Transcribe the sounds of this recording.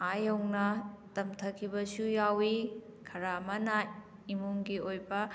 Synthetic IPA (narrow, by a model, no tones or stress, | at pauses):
ajɐwnɐtɐmtʰɐkʰibɐsujawi | kʰɐɾamɐna | imuŋɡiojbɐ